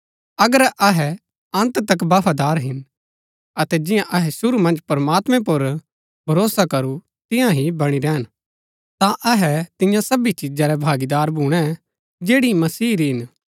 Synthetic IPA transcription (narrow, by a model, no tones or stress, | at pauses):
ɐɡəɾɐɦɛ | ɐ̃nt̪t̪ɐkbaːpʰad̪aːɾɦɪn | ɐt̪ɛd͡ʒɪ̃jãʔɐɦɛsʊɾumɐ̃nd͡ʒpɐɾmaːt̪mɛ̃pʊɾ | bʱɐɾoːsakɐɾu | t̪ɪ̃jãɦibɐɽ̃iɾɛːən | t̪ãʔɐɦɛt̪ɪ̃jãsɐbit͡ʃɪd͡ʒaɾɛbʱaːɡid̪aːɾbʱuːɽ̃ɛ | d͡ʒeːɽimɐsiːɾiɦɪn